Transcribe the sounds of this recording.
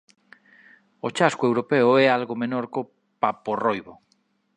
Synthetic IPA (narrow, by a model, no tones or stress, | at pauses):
ot͡ʃaskoewɾopeʊɛalɣomenoɾko | paporojβo